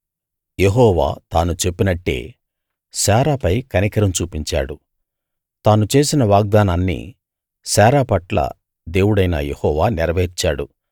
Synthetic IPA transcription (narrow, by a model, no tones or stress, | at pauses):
je̞ɦɔːʋa̰ːt̪aːnut͡ʃe̞pːinɐʈːe̞̰ː | ʃaːɾaːpɐjkɐnikɐɾɐmt͡ʃuːpiɲt͡ʃa̰ːɽu | t̪aːnut͡ʃe̞ːsinɐʋaːɡ̚d̪aːnaːnːḭː | saːɾaːpɐʈlɐ̰ | d̪e̞ːwuɽɐjnɐ̰jehɔːʋaːniɾɐʋɐːit͡ʃaːɽu